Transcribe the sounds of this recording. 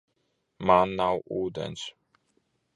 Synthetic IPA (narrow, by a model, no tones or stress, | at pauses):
manːawʔuːd̪ɛ̰ns